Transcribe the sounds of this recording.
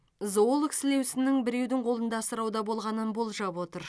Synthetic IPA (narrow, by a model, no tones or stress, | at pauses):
zoolˠəksɪle̞wsɪnɪŋbɪɾe̞wd̪ɪŋqʰo̞lˠənd̪ɑsəɾɑwd̪ɑbo̞lˠʁɑnənbo̞lˠʒɑpwo̞t̪əɾ